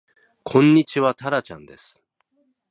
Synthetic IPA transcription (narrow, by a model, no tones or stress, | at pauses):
kʰõ̞ɲ̟ːit͡ɕiβat̪aɾat͡ɕã̰nd̪e̞sɨ̥